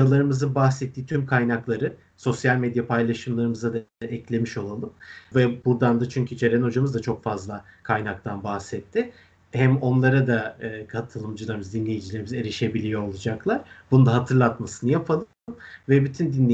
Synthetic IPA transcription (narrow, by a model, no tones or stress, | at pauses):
alˠaɾɯmɯzɯnbahsɛt̪ːiːt̪ʰymkʰajnaklˠaɾɯ | so̞sjalʲmed̪japʰajlˠaʃɯmlˠaɾɯmɯzad̪aɛclʲe̞miʃo̞lˠalˠɯmvɛbuɾd̪and̪at͡ʃʰyɲcʰyt͡ʃʰeɾɛno̞d͡ʒamɯzd̪at͡ʃʰo̞kfazlˠakʰajnak̚t̪ʰanbahsɛt̪ʰːɪ | hæmo̞nlˠaɾad̪aːkʰat̪ʰɯlˠɯmd͡ʒɯlˠaɾɯmɯzd̪inlʲe̞jid͡ʒilʲeɾimize̞ɾiʃe̞bilʲijo̞olˠud͡ʒaklˠaɾ̥bunund̪aɦat̪ʰɯɾlˠat̪masɯnɯjapʰalˠ | mvɛbyt̪ʰynd̪inlʲe